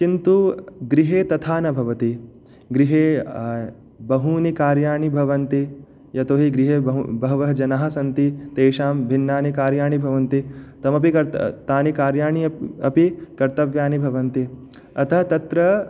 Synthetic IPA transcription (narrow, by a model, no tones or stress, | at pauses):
t͡ʃint̪uɡɾiɦeːt̪ɐt̪ʰaːnɐbʱɐʋɐt̪i | ɡɾiɦeː | bɐɦuːnikaːɾjaːɳibʱɐʋɐnt̪i | jɐt̪oːɦiɡɾiɦeːbɐɦʋɐɦɐd͡ʒɐnaːɦɐ̆sɐnt̪it̪eːʃaːmbʱinːaːnikaːɾjaːɳibʱɐʋɐnt̪it̪ɐmɐpikɐɾt̪aːnikaːɾjaːɳiɐpikɐɾt̪ɐʋjaːnibʱɐʋɐnt̪i | ɐt̪ʰɐɦɐt̪ɐt̪ɾɐ